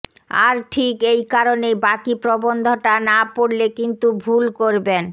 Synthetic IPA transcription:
a̰ɾʈʰikejkaɾonejbakipɾobond̪ʱoʈanapoɽlekint̪ubʱulkoɾben

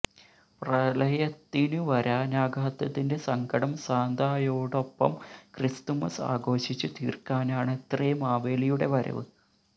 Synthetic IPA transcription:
prɐlɐjɐt̪ːinuʋɐɾaːnaːɡaːt̪ːɐt̪ːinde̞sɐŋɡɐɽɐmsaːnd̪ʱaːjo̞ːɽo̞pːɐ̰mkrɨst̪umɐsa̰ːɡo̞ːɕit͡ɕːut̪iːrkaːnaːɳet̪rɐjmaːʋeːlijuɽe̞̰ʋɐɾɐ̰ʋɨ̰

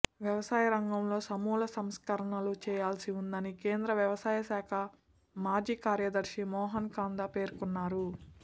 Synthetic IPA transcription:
ʋjɐʋɐsaːjɐɾɐŋɡɐmlo̞ːsɐmuːlɐsɐmskɐɾɐɳɐlut͡ʃɛːjaːlsiund̪ɐnike̞ːnd̪ɾɐʋjɐʋɐsaːjɐʃaːkʰɐ | maːd͡ʒiːkaːɾjɐd̪ɐɾʃimɔːɦɐnkaːnd̪ape̞ːɾkunːaːɾu

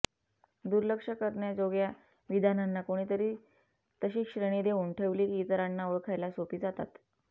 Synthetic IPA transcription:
d̪uɾləkʂəkəɾɳjad͡zoɡja | ʋid̪ʱananːakoɽ̃iːt̪əɾiː | t̪əɕiːkɕɾəɽ̃id̪euɳʈʰeʋliːɡit̪əɾanːaʋəɭkʰajlasopiːd͡zat̪a̰t̪

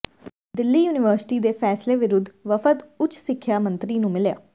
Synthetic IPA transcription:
d̪ɪlːiːjuːnɪʋəːɾsɪ̥ʈiːd̪eːpʰɛːsleːʋɪɾʊd̪ːʋəfʰət̪ʊt͡ʃʰsɪkʰːjaːmənt̪ɾiːnũːmɪlja̰ː

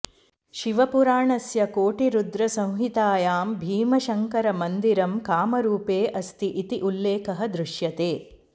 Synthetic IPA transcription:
ʃiʋɐpuɾaːɳɐsjɐkoːʈiɾud̪ɾɐsɐ̃w̃ɦit̪aːjaːmbʱiːmɐʃɐŋkɐɾɐmɐnd̪iɾɐmkaːmɐɾuːpeːʔɐst̪iʔit̪iʔulːeːkɐɦɐd̪ɾuʃjɐt̪eː

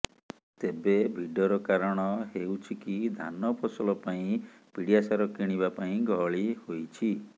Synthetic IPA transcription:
t̪ebebʱiɖɔɾɔkaɾɔɽ̃ɔɦeuwt͡ʃʰikid̪ʱa̰nɔpʰɔsɔlɔpaĩ | piɽijasaɾɔkiɽ̃iβapaĩɡɔɭihojt͡ʃʰi

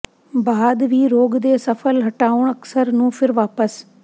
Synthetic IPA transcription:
baːd̪ʋiːɾoːɡd̪eːsəfʰəlɦəʈaːʊɳ̃əksəɾnũːpʰɪɾʋaːpəs

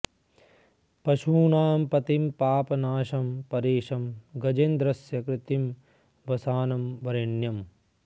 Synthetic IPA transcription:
pɐʃuːnaːmpɐt̪impaːpɐnaːʃɐmpɐɾeːʃɐmɡɐd͡ʒend̪ɾɐsjɐkɾɪt̪im | ʋɐsaːnɐmʋɐɾɐɳjɐm

